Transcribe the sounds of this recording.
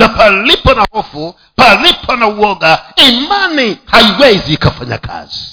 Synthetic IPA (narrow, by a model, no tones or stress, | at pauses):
napalipanahɔfu | palipʰanauɔɡaɛmanihaiwɛziːkafaɲa̰kʰa̰z̥i